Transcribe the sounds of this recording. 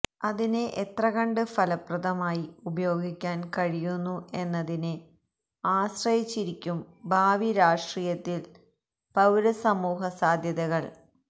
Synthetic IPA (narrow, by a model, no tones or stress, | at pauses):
ɐðineʔet̪rɐɣɐɳɖɨfɐlɐprɐðɐmaːjiubɐjo̞ːɡikʲːaːnkɐɻijunːue̞nːɐðinɨ | aːsrɐjit͡ɕːiɾikʲːumbʱaːʋiɾaːʂʈriːjɐt̪ːil | pɐwɾɐsɐmuːɦɐsaːd̪ʱjɐðɐɣɐɭ